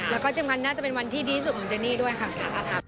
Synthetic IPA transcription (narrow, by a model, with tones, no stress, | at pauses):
lɛː˦˥wkɔː˥˩t͡ɕi˧mŋkʰa˧nːaː˥˩a˨˩pe˧nwa˧nt̪ʰiː˥˩diː˧i˥su˨˩t̪̚mɔ˩˦t͡ɕəː˧niː˥˩du˥˩əjkʰa˥˩